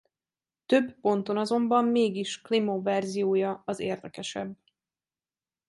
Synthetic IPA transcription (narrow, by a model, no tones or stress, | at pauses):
t̪øbpo̞nt̪o̞nɒzo̞mbɒmːeːɡiʃklimovɛrzijoːjɒɒzḛːrd̪ɛkɛʃɛ̰b